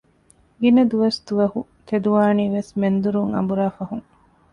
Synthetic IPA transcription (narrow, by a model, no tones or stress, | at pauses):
ɡinɐd̪uʋɐsd̪uʋɐhu | t̪ʰed̪uʋaːniːʋesmend̪uɾuŋɐ̰mbuɾaːfɐɦuŋ